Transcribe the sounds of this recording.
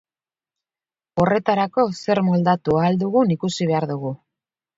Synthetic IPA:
o̞re̞t̪aɾako̞se̞ɾmold̪at̪uaːld̪uɣunikusiβ̞e̞aɾðuɣu

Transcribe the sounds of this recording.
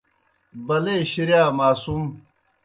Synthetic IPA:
bɐleːɕiɾjaːmaːsum

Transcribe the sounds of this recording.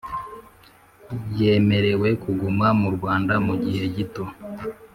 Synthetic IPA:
je̞ːme̞ɾe̞we̞kuɡumamuɾɡwaːndamuɟihe̞ɟito̞

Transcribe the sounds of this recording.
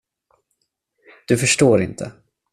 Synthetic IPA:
d̪̥ɵfœʂʈoːɾɪnt̪ʰə̰

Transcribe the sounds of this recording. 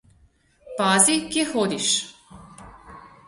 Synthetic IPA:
paːziɡjɛxod̪iʃ

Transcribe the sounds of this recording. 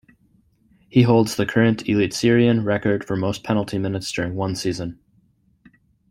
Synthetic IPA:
hiɦoʊlˠdz̥ðɨkʰɜ˞ɨ̃ntʰɨlitsɪɹiɨ̃nɹɛkə˞d̥fə˞moʊspʰɛnl̩ˠtʰimɪ̃nɨtsd̥ʊɹɪ̃ŋwʌ̃nsizə̃n

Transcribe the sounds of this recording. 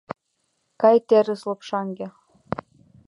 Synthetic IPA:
kɑjt̪ʲeɾʲɯslˠɤ̆pʂɑŋɡʲe

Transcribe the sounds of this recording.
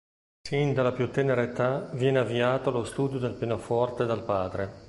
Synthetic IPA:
sind̪alapjut̪ːɛneɾeːt̪avjɛːneavːiaːt̪oalost̪uːd̪jod̪elpeːnofɔrt̪ed̪alpaːd̪ɾe

